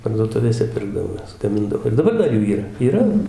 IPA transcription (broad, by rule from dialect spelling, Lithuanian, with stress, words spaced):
pɐrduɔˈtʊʋʲeːsʲɛ ˈpʲɪrɡdɐʋoː ˈjɛs ɡɐˈmʲɪndɐʋoː ɪr dɐˈbɐr ˈdɐr ˈjuː iːˈrɐ iːˈrɐ